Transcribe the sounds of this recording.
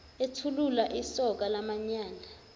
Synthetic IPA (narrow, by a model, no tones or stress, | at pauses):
etʰululaʔisɔk̬alamaɲaːnʱa